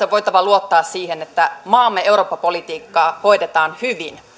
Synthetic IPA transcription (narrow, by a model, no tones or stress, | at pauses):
eʋo̞jt̪ɑʋɑluot̪ːɑːssiːɦenet̪ːæmɑːmːeewɾoːpːɑpolit̪iːkːɑːho̞jdet̪ɑːnhyʋin